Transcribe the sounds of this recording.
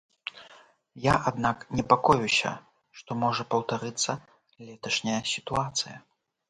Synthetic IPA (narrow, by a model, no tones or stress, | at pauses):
jaʔad̪naknʲɛpakɔjusʲɐ̰ | ʂt̪ɔmɔʐɐpɐwt̪aɾɨt̪sːɐ | lʲɛt̪ɐʂnʲɐjɐsʲit̪uat̪sɨjɐ